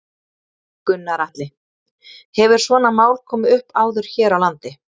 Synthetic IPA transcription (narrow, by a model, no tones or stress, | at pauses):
kʏnːaɾaht̪lɪ | hɛvɪɾ̥svɔːnamaːwlkʰɔːmɪʏhpaːwðʏɾ̥çɛːɾawlant̪ɪ